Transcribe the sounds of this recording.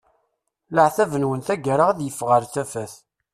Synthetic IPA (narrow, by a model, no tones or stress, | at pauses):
ləʕθævənwənθæɡəɾaʁæðjəfːʁəɾθæfæθ